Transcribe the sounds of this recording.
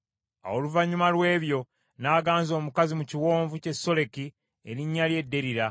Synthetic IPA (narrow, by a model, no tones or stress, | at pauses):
a̰woluvaɲumalwe̞ːβjo̞ | naːɡaːnzo̞ːmukazimuciwo̞ːɱvuce̞sːo̞le̞ki | ḛɾiɲːalje̞dːe̞ɾiɾa